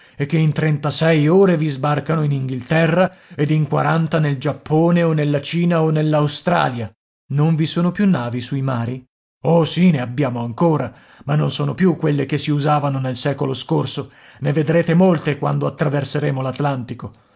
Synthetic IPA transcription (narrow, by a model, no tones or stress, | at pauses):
ek̟ːeint̪ɾɛnt̪asɛjoːɾevizbarkanoiniŋɡilt̪ɛrːaed̪iŋkwaɾant̪aneld͡ʒapːoːneonːelːat͡ʃiːnaonːelːawst̪ɾa̰ːlja | noɱvisoːnopjunːaːvisuimaːɾi | osineabːjaːmoaŋkoːɾa | manːonsoːnopjukːwelːekesːiuzaːvanonelsɛːkoloskorso | neved̪ɾeːt̪emolt̪ekwa̰nd̪oat̪ːɾaverseɾeːmolat̪lant̪iko